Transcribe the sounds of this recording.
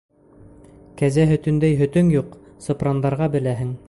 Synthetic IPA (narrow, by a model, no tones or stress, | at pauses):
kæzæɦɵ̆t̪ɵ̆nd̪æjɦɵ̆t̪ɵŋjuq | sɤ̆prɑnd̪ɑɾʁɑbɘ̆læɦɘŋ